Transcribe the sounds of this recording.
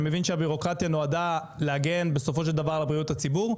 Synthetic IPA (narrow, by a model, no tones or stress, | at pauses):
me̞vinʃeabiʁo̞kʁat̪jano̞ada | leaɡe̞nbe̞so̞fo̞ʃ̬eld̪avaʁlabʁijuthat͡sibuʁ